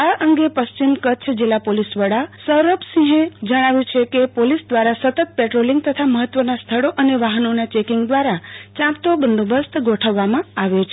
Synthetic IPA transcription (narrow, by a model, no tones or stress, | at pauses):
aʔəŋɡepəʃt͡ʃimkət͡ʃʰd͡ʒelapolisʋəɽasəɾopsĩɦẽd͡ʒəɽ̃aʋjũt͡ʃʰekepolisd̪ʋaɾasət̪ət̪̚peʈɾoliŋɡ̚t̪ət̪ʰaməɦət̪ːʋənast̪ʰəɭoʔəneʋaɦənonat͡ʃekiŋɡd̪ʋaɾat͡ʃãpt̪obənd̪obəst̪ʰɡʱoʈʰəʋːamãaʋet͡ʃʰ